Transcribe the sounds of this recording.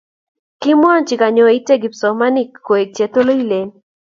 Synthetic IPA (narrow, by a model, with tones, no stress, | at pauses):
kɪ˦mwɔ˦nt͡ʃɪ˨ka˨ɲɔ˨i˦te˦ɡɪ˨psɔ˨ma˦ni˦˨kːo˨e˨t͡ʃe˨t̪o˦lo˦i˦le˨m